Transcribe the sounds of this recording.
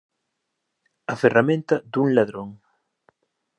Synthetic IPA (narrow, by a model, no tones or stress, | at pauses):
ɐferamẽnt̪ɐd̪uŋlaðɾoŋ